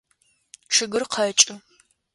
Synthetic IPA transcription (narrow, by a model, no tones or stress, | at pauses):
ʂɨɡɨrqʰɐt͡ʃʼɨ